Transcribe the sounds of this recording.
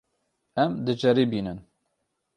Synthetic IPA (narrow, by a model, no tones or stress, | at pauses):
ɛmd̪ɨd͡ʒɛɾibiːnɨn